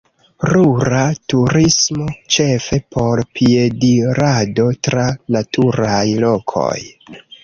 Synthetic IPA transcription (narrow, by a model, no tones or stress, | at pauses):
ɾuɾatuɾismo̞t͡ʃe̞fe̞pʰo̞ɾpie̞diɾado̞tɾanatʰuɾajlo̞kʰo̞̰j